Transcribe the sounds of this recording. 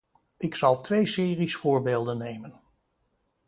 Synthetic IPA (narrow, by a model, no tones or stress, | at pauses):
ɪksɑlˠtʋejsɪːrisfʊːɹbeːlˠdənːejmən